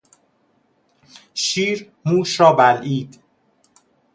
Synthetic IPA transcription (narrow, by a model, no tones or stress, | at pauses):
ʃiːɾ | muːʃɾɒːbælʔiːd̪̥